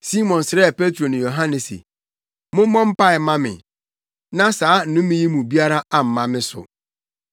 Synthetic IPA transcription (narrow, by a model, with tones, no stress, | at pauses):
si˦mɔ̃˨nsɾɛ˦˨pe˦tɾo˨nʊ̃˨jo˨ɦã˦nɛ˨sḛ˨ | mʊ̃˦mɔ̃˦m̩˦pa˦ɪ˨˦mã˦mɪ̰̃˨ | nã˦saː˨˦n̩˨nʊ̃˦mɪ̃˦ji˦mũ˨bi˦a˦ɾa˦a˨m̩˨mã˦mɪ̃˦sʊ̰˨